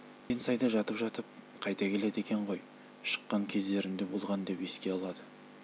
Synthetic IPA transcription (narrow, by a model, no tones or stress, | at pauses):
ensɑjd̪ɑʒɑt̪əpʒɑt̪əp̚ | qʰɑjt̪ɑkʲʰe̞le̞d̪e̞kʲeɴʁo̞j | ʃə̥qːɑŋkʲʰe̞zd̪e̞ɾɪnd̪e̞bo̞lˠʁɑnd̪e̞pe̞skʲe̞ɑlˠɑd̪ə